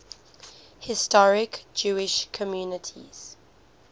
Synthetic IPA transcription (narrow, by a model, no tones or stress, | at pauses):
hɪstɔɹɪkd͡ʒuːɪʃkʰɔmjuːnətʰḭz̥